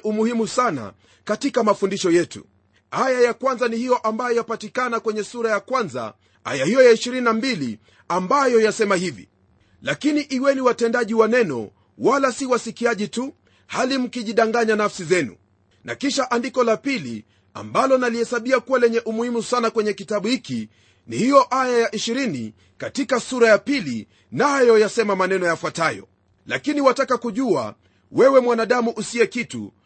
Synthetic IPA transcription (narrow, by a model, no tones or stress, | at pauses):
umuhimusana̰ | katikamafundiʃɔjɛtṵ | ajajakwanzanihijɔʔambajɔjapatikanakwɛɲɛsuɾajakwanza̰ | a̰jahijɔjaiʃiɾininambilḭ | ambajɔjasɛmahivḭ | lakiniʔiwɛniwatɛndaʄiwanɛnɔ̰ | walasiwasikiaʄitu | halim̩kiʄiɗaŋɡaɲanafsizɛnṵ | na̰kiʃaʔandikɔlapilḭ | a̰mbalɔnalihɛsaɓiakuwalɛɲɛʔumuhimusanakwɛɲɛkitaɓuhiki | nihijɔʔajajaʔiʃiɾini | katikasuɾajapilḭ | najɔjasɛmamanɛnɔjafwatajɔ̰ | la̰kiniwatakakuʄua̰ | wɛwɛmwanaɗamuʔusiɛkitṵ